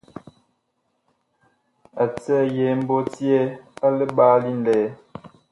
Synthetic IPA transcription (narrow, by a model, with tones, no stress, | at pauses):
a˨t͡sə˦˨je˨˦m̩˦bo˦tje˦a˦lə˦ɓaː˦li˦n̩˦dɛ˨˦